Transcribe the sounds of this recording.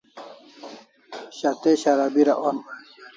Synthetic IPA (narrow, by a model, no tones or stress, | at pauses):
ɕat̪eɕaɾabiɾaʔon